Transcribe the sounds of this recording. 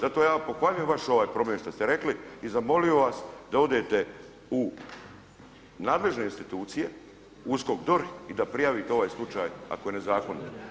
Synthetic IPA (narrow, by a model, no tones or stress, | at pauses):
zat̪o̞ːjaːpo̞xʋaʎujemʋaʃo̞ʋaːjpɾo̞mʲjeʃt̪ast̪eɾe̞kliizamo̞lijo̞ʋasd̪ao̞d̪e̞t̪e | u | naːd̪le̞ʒne̞inst̪it̪uːt̪sije̞ | uskokd̪oɾid̪apɾijaʋit̪eo̞ʋaːjslˠut͡ʃaːja̰ko̞jene̞zaːkonit̪